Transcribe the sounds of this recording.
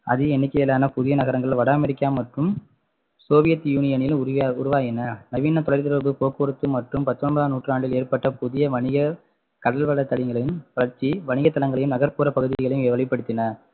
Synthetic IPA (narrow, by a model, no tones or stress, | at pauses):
ʔɐ̰ðɯɛnːɪkːɐjɛlːaːnɐpʊðɪjɐnɐɣɐɾɐŋɡɐɭɪlʋɐɽaːmɛɾɪkːaːmɐʈrɯm | soːʋɪjɐt̪ːjuːnɪjɐnɪlʊɾʊʋaːjɪnɐnɐʋiːnːɐt̪ɔlɐɪɾt̪ɪɾɐbɯpoːkɯɾɯt̪ːɯmɐʈrɯmpɐt̪ːɔnbɐðaːnuːʈrɯnaːɳʈɪleːrpɐʈːɐpʊðɪjɐʋɐɳɪɣɐ | kɐɽɐlʋɐɭːɐt̪ːɐɭɪŋɡɐɭɐjɯmʋɐɭɐɾt͡ʃiʋɐɳɪɣɐt̪ːɐlɐŋɡɐɭɐjɯmnɐɣɐɾpuːɾɐpɐɣɯðɪɣɐɭɐjɯmeːʋɐɭɐɪpːɐɽɯt̪ːɪnɐ